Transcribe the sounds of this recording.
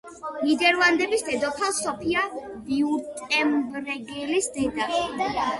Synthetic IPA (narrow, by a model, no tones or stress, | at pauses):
nid̪ɛɾlˠand̪ɛbisd̪ɛd̪ɔt̪ʰasɔpʰia | biut̪ʼɛmbɾɛɡɛlisd̪ɛd̪a